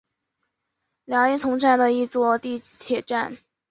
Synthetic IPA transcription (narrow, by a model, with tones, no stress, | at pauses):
ljɑ˧˥ŋi˥˩t͡sʰʊ˧˥ŋʈ͡ʂa˥˩nd̪ə˩i˥˧t͡swɔ˥˧t̪i˥˧˥t̪ʰjɛ˨˩ʈ͡ʂa˥˩n